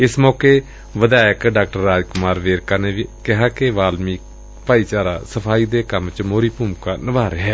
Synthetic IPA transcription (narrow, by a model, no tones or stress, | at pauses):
ɪsmɔːkeː | ʋəd̪aːjəkɖaːk̚ʈəɾːaːd͡ʒkʊmaːɾʋeːɾkaːneːʋikɪɦaːkɪʋaːlmiː | paːiːt͡ʃaːɾa̰ːsəpʰaːiːd̪eːkəmt͡ʃmoːɾiːpuːmkaːnəʋaːɾeːɦɛː